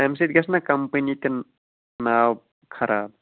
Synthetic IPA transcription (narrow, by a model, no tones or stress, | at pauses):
ɛms̬it̪̚ɡɐsnakɐmpənit̪in | nawp̚ | kʰɐɾa̰ːb̚